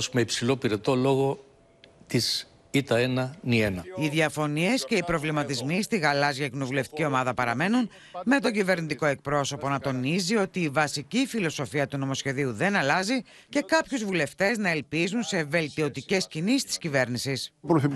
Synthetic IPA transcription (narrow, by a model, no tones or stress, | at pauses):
smeipsilo̞piɾe̞t̪o̞lo̞ɣo̞ | t̪is | it̪ɐenɐnienɐiðjɐfo̞nie̞sce̞ipɾo̞vlimɐt̪izmist̪iɣɐlɐzʝɐcino̞vule̞ft̪i̥cio̞mɐðɐpɐɾɐme̞nun | me̞t̪o̞ɲɟive̞ɾnit̪iko̞e̞k̚pɾo̞so̞po̞nɐt̪o̞nizio̞t̪iːvɐsicifilo̞so̞fiɐt̪uno̞mo̞sçe̞ðiuðe̞nɐlɐzi | ce̞kɐpçuzvule̞ft̪e̞znɐe̞lpizunse̞ve̞lt̪io̞t̪ice̞scinist̪i̥scive̞ɾnisispɾoθip